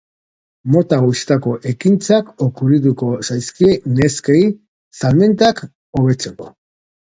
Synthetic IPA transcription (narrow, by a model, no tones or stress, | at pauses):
mo̞t̪aɣojst̪ako̞ʔe̞kint͡sako̞kuɾiðuko̞sajskiene̞skej | salme̞nt̪ak | o̞β̞e̞t͡se̞ko̞̰